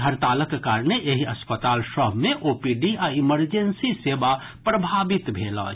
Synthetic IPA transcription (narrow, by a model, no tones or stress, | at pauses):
əɾt̪aːləkkaːɾneʔeɦiɐspət̪aːlʃɔbmẽʔoːpiɖiaiməɾd͡ʒensiseːba | pɾəbʱaːbɪt̪bʱeːlɔ̰